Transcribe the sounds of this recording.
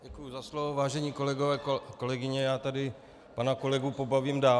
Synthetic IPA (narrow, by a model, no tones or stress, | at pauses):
ɟɛkujuzaslovovaːʒɛɲiːko̞lɛɡovɛːko̞lɛɡɪɲɛjaːt̪adɪ | panako̞lɛɡupobaviːmdaː